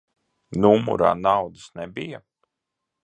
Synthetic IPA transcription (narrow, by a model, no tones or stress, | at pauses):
numṵɾa̰ːnawd̪ɨsnɛbija